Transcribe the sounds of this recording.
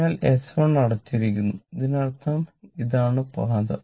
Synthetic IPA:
aːlesfɐɳnɐɽɐt͡ɕːiɾikʲːunːuiðinɐɽt̪ʰːɐmiðaːɳɨpaːd̪ɐ̰

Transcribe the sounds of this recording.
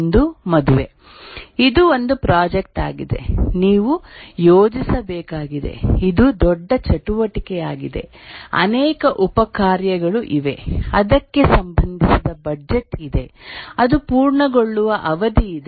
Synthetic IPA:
nd̪umɐd̪uʋe̞ | id̪uond̪upɾaːd͡ʒek̚ʈaːɡid̪e̞̰niːʋujoːd͡ʒisɐbɛːkaːɡid̪e̞̰id̪ud̪ɔɖːɐt͡ʃɐʈuʋɐʈikɛjaːɡid̪e̞̰ | ɐ̰nɛːkɐʔupɐkaːɾjɐɡɐɭuʔiʋe̞ɐd̪ɐkːe̞sɐmbɐnd̪ʱisid̪ɐbɐd͡ʒeʈid̪e̞ɐd̪upuːɾɳɐɡoɭːuʋɐʔɐʋɐd̪iid̪

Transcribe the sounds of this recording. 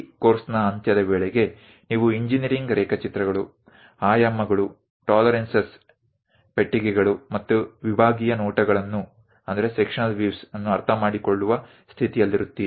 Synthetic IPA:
koːɾsnɐːnt̪jɐd̪ɐʋeːɭeɡe̞ | niːʋuiɲd͡ʒinijɐɾiŋɡɾɛːkɐt͡ʃit̪ɾɐɡɐɭu | aːjamːɐɡɐɭu | ʈaːlɐɾensɐs | peʈːiɡɛɡɐɭumɐt̪ːuʋibʱaːɡijɐnɔːʈɐɡɐɭɐnːu | ɐnd̪ɐɾe̞sekʂɐnɐlʋiʋsɐnːuɐɾt̪ʰɐmaːɽiko̞ɭːuʋɐ | st̪ʰit̪ijɐlːiɾut̪ːi

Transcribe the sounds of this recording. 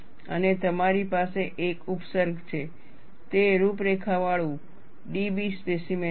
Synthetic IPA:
ənet̪əmaɾipaseʔekupsəɾɡt͡ʃʰe | t̪eɾupɾekʰaʋaɭũ | ɖibispesime

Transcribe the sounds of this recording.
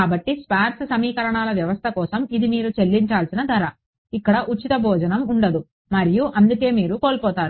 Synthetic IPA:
kaːbɐʈːispaːɾssɐmiːkɐɾɐɳaːlɐʋjɐʋɐst̪ʰɐkɔːsɐmid̪imiːɾut͡ʃe̞lːiɲt͡ʃaːlsinɐd̪ɐɾɐ | ikːɐɽɐʔut͡ʃːit̪ɐbʱɔːd͡ʒɐnɐmuɳɖɐd̪u | mɐɾijuʔɐnd̪uke̞ːmiːɾukoːlpɔːt̪aːɾu

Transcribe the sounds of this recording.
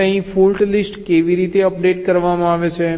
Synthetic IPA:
ə̃ɦĩfulʈlisʈkeʋiɾit̪eəpɖeʈkəɾʋamãaʋet͡ʃʰe

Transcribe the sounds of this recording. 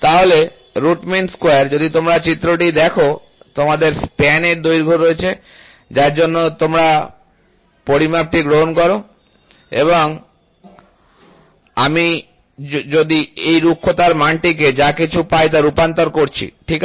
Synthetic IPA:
t̪aɦole | ɾuʈminskoaɾd͡ʑod̪it̪omɾat͡ɕit̪ːɾoʈid̪ɛkʰo | t̪omad̪eɾspɛneɾd̪ojɾɡʱoɾoet͡ɕʰe | d͡ʑaɾd͡ʑonːot̪omɾa | poɾimap̚ʈiɡɾoɦonkɔɾo | ḛβoŋ | ami | d͡ʑod̪iejɾukʰːot̪aɾmaɳʈik̬ed͡ʑakit͡ɕʰupajt̪aɾupant̪oɾkoɾt͡ɕʰḭʈʰik

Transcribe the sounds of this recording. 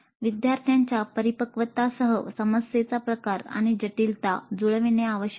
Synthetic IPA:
ʋid̪jaɾt̪ʰjaɲt͡ɕjapəɾipəkʋət̪asəɦəsəməsjet͡sapɾəkaɾa̰ɽ̃id͡ʑəʈilt̪ad͡zuɭʋineaʋəɕə

